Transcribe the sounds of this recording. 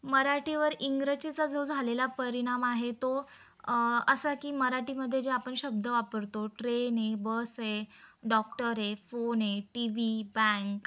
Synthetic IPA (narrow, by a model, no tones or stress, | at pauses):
məɾaʈiʋəɾiŋɡɾət͡ɕit͡sad͡zʱəd͡zʱalelapəɾiɽ̃amaɦet̪o | əsakiːməɾaʈiməd̪ʱːjed͡ʑeapəɳɕəb̚d̪ʱəʋapəɾt̪oʈɾenebəsɦeɖɔkʈəɾefonɦeʈiʋibɛ̃ŋk